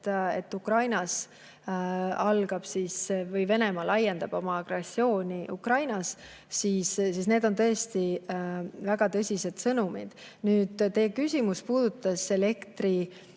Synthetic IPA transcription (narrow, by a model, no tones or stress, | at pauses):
e̞̰t̪ːukrɑjnɑs | ɑlɡ̥ɑb̥siːsvɤjve̞ne̞mɑlɑje̞nd̪ɑb̥o̞mɑɑɡresːio̞ːnʲiʔukrɑjnɑs | siːssisne̞ːd̪o̞nt̪ɤ̞est̪i | væɡ̥ɑt̪ɤsʲise̞d̪̥sɤnumid̪̥nyːd̪̥t̪e̞kysʲimuspuːd̪̥ut̪ːˑɑse̞le̞kt̪ri